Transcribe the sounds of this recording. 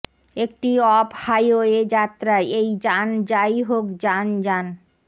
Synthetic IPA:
ek̚ʈiɔbhajoed͡ʑat̪ːɾaeejd͡ʑand͡ʑajɦokd͡ʑand͡ʑan

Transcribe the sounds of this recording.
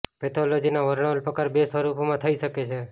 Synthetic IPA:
pɛt̪ʰolod͡ʒinaʋəɾɳ̃əlpəkaɾbesəɾupmãt̪ʰəiʃəket͡ʃʰe

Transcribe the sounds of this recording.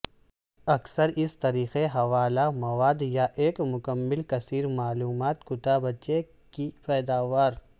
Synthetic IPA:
ɐksəɾɪst̪ɐɾiːxeɦɐʋaːlamɐʋaːd̪jaʔeːkmʊkəmːɪlkɐsiːɾmaːluːmaːt̪kʊʈ̪abɐt͡ʃe | kipɛːd̪aːʋaːɾ

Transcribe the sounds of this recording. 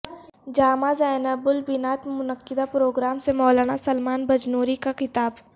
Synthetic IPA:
d͡ʒaːmazaːjnəbʊlbɪnaːt̪mʊnəkːɪd̪apɾoːɡɾaːmsemɔːlaːnasɐlmaːnbɐd͡ʒnoːɾikakɪt̪aːb

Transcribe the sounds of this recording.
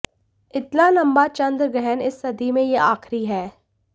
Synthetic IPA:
ɪt̪lalɐmbat͡ʃɐ̃nd̪ɾɡɛɦɛnɪsːɐd̪imẽjeaːxɾiɦɛː

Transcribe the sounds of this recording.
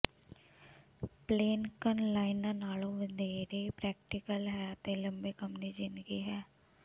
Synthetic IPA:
pleːnkənlaːɪnanaːlõʋəd̪eːɾeːpɾɛːk̚ʈɪkəlɦɛːt̪eːlə̃mbeːkəmnid͡ʒɪ̃nd̪ɡiɦɛː

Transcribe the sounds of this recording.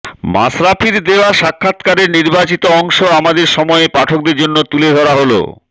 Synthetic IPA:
ma̰sɾapʰiɾd̪eoaʃakʰːat̪kaɾeɾniɾbat͡ɕit̪oɔŋʃoamad̪eɾʃɔmɔepaʈʰok̚d̪eɾd͡ʑonːot̪uled̪ʱɔɾaɦolo̰

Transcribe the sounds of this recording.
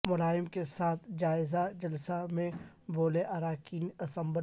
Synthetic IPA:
mʊlaːɪmkesaːt̪ʰd͡ʒaːɪzad͡ʒɐlsamẽ | boːleʔɐɾaːkiːnɐsə̃mbə

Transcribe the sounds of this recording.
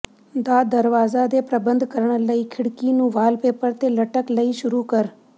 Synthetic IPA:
d̪aːd̪əɾʋaːzad̪epɾəbə̃nd̪ʱkəɾəɳ̃ləiːkʰɪɽkinũːʋaːlpeːpəɾt̪eːləʈəkləiːʃʊɾuːkəɾ

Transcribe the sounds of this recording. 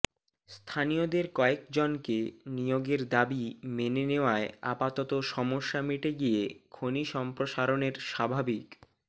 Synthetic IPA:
st̪ʰaniod̪eɾkɔekd͡ʑonkenijoɡeɾd̪abimeneneoaea̰pat̪ɔt̪oʃɔmoʃːamiʈeɡijekʰoniʃɔmpɾoʃaɾoneɾʃabʱabik

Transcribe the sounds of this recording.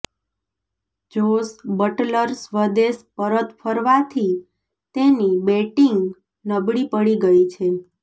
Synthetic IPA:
d͡ʒosbəʈləɾsʋəd̪eʃpəɾət̪fʰəɾʋat̪ʰi | t̪enibeʈiŋɡ | nəbɽipəɽiɡəit͡ʃʰe

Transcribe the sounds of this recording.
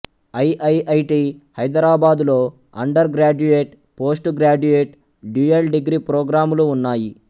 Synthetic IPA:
ɐjʔɐjɐjʈiːhɐjd̪ɐɾaːbaːd̪lo̞ː | ɐ̰ɳɖɐɾɡɾaːd͡ʒueːʈ | po̞ːsʈuɡɾaːd͡ʒueːʈ | ɖuːelɖiɡɾiːpɾoːɡɾaːmuluːnːaːji

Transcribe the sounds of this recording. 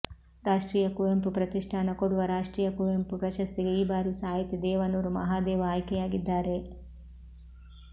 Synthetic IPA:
ɾaːʂʈɾiːjɐkuʋempupɾɐt̪iʂʈʰaːnɐkoɽuʋɐɾaːʂʈɾiːjɐkuʋempupɾɐʃɐst̪iɡeiːbaːɾisaːjit̪id̪ɛːʋɐnuːɾumɐ̰ɦaːd̪ɛːʋɐaːjkɛjaːɡid̪ːaːɾe̞

